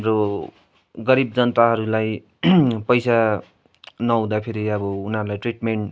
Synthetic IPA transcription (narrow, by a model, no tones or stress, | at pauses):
ɦmɾo | ɡʌɾib̚d͡zʌnt̪aɦʌɾulaj | pʌjsa | nʌw̃d̪apʰeɾiʌbʌunɦʌɾulajʈriʈmeɳʈ